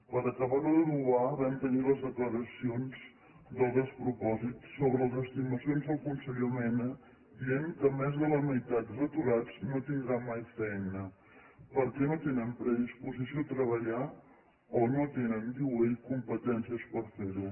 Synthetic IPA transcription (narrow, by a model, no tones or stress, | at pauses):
pəɾəkəβaðəðənuaβɛmt̪əniləzðəkləɾəsionz | ðəlˠðəspɾupɔzitːoβɾələzəst̪iməsionzðəlˠkunsəʎomɛnə | d̪iɛmkəmɛzðələməjt̪at̪zət̪uɾad͡znot̪ind̪ɾamajfɛjnə | pəɾkɛnot̪enənpɾəðispuzisiot̪ɾəβəʎa | onot̪enənd̪iejkumpət̪ɛnsiəspəɾfeɾu